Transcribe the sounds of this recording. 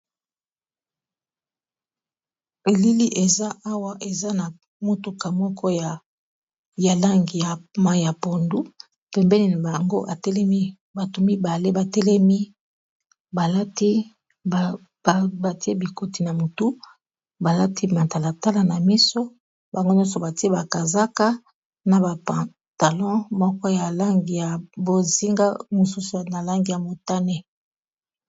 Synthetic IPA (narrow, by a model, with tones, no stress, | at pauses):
e˨li˦li˦ʔe˨za˦ʔa˦wa˦ʔe˨za˦na˨ | mo˨tu˨ka˨mɔ˦kʰɔ˦ja˨ | ja˨la˦ŋɡi˨a˨ma˦˨a˨po˨ndu˦ | pɛ˨mbɛ˦ni˨na˨ba˨ŋɡo˦ʔa˨tɛ˦lɛ˦mi˦ | ba˨tu˨mi˦ba˨le˦ba˨tɛ˦lɛ˦mi˦ | ba˨la˦ti˦ | b | ba˨ti˦e˦bi˨ko˨ti˨na˨mo˨tu˦ | ba˨la˦ti˦ma˨ta˨la˨ta˦la˨na˨mi˦so˦ | ba˨ŋɡo˦ɲjɔ̃˦so˨ba˨ti˦e˦ba˨ka˨za˦ka˦ | na˨ba˨pã˨ | ta˨lɔ̃˦mɔ˦kɔ˦ja˨la˦ŋɡi˨ja˨bo˨zi˦ŋɡa˦mo˨su˦su˨na˨la˦ŋɡi˨ja˨mo˨ta˦ne˦